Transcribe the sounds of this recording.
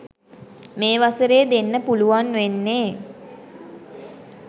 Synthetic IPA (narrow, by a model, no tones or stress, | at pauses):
meːʋasəɾeːd̪enːəpuluʋanʋenːeː